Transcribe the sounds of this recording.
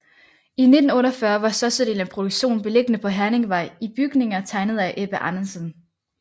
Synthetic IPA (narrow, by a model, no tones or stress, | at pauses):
ine̝d̥n̩ɔ̽ːɾɐfɶɐʋɑ̈sɒ̽sd̥e̝ːlənpʰʁod̥uɡ̥ɕo̝̰ːnb̥e̝le̝ɡ̥ənəpʰɒ̽ɦæɐne̝ŋʋɑ̈ɪ̰ib̥yɡ̥ne̝ŋɐt͡sʰɑ̈ɪnəð̞̩ˠæʔeb̥əʔɑnɐsən